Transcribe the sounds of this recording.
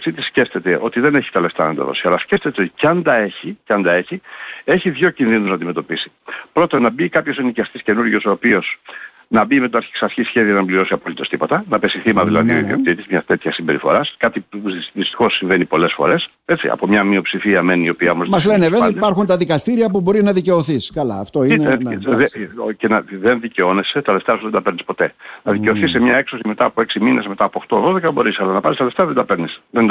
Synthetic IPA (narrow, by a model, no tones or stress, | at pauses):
sit̪isce̞ft̪e̞t̪e̞ʔo̞t̪iðe̞neçi̥t̪ele̞ft̪ɐnɐnd̪ɐ̰ðo̞̰siɐlɐsce̞ft̪e̞t̪eo̞t̪i̥cɐnd̪ɐe̞çiceɐnd̪ɐe̞çie̞çiðʝo̞cinðinuznɐd̪ime̞t̪o̞pisi̥ | pɾo̞t̪onɐbikɐpço̞senicɐst̪isce̞nuɾʝo̞so̞ːpio̞s | nɐbime̞t̪oɐɾçi̥ksɐɾçisçe̞ðiɐznɐmbliɾo̞siɐpolit̪ost̪ipo̞t̪ɐnɐpe̞siθimɐðilɐ̰ðio̞̰ḭðio̞̰kt̪it̪izmɲɐt̪e̞t̪çɐsimbe̞ɾifo̞̰ɾɐskɐt̪iuðist̪ixo̞sːiɱve̞nipo̞lesfo̞̰ɾe̞s | e̞t͡sḭɐ̰po̞mɲɐmiopsifiɐme̞niio̞piɐomozmɐzle̞neveɐid̪pɐɾxunt̪ɐðikɐst̪iɾiɐpubo̞ɾiznɐðice̞o̞θiskɐlɐ̰ːft̪o̞ineðcenɐðenðiceo̞ne̞se̞t̪ɐðe̞ft̪ɾɐsuðend̪ɐpeɾnispo̞t̪e̞nɐðice̞oθisːemɲɐekso̞sime̞t̪ɐːpoe̞ksimine̞zme̞t̪ɐːpo̞xt̪o̞ðo̞ðekɐbo̞ɾisɐlɐnɐpɐnist̪ɐðeft̪ɐðend̪ɐpeɾnisðend̪